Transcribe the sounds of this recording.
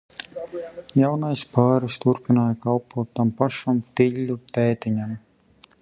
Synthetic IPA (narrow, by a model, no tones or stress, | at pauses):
jawnajspaːɾist̪uɾpinaːjkalpuɔːt̪ːampaʃamt̪iʎʲːut̪ɛːt̪iɲam